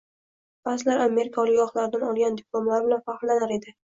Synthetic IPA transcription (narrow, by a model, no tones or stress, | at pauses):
baslaɾame̞ɾɪkʰɒlˠɪkʲɒχlˠaɾɪd̪anɒlˠɡʲand̪ɪplˠomlaɾbɪlanfaχllːanaɾe̞d̪ɪ